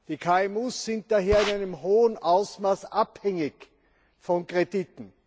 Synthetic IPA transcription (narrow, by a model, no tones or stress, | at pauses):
d̥iːkʰaːɛmuːsːɪnt̚d̥aɦeːɐɪnaɪnəmɦoːənʔaʊsmaːsʔaphɛŋɪç | fɔnkʁeditn̩